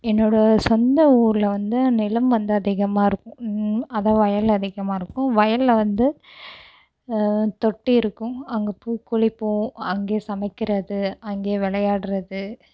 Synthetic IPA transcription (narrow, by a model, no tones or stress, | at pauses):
ɛnːoːɽɐsɔnd̪ɐuːɾlɐʋɐnd̪ɯnɪlɐmʋɐnd̪ɯɐðɪɣɐmaːɪɾɯkːʊ̃ɐðãːʋɐjɐlɐðɪɣɐmaːɪɾɯkːʊ̃ʋɐjɐlːɐʋɐnd̪ɯ | t̪ɔʈːiɪɾɯkːʊ̃ɐŋɡɐpuːkːʊɻɪpːũɐŋɡeːsɐmɐɪkːɪɾɐðɯɐŋɡeːʋɛɭɐjaːɽɯɾɐðɯ